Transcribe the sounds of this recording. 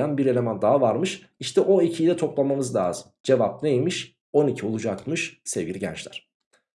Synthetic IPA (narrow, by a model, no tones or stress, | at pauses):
anbiɾe̞lʲe̞mænd̪aɦavaɾmɯʃ | iʃt̪ʰɛʔo̞icʰijlʲɛt̪ʰo̞plˠamamɯzlʲaːzɯmd͡ʒe̞vap̚nejmiʃ | o̞nicʰiolˠud͡ʒakmɯʃsevɡʲiɾɟɛ̰nt͡ʃlʲæ̰ɾ̥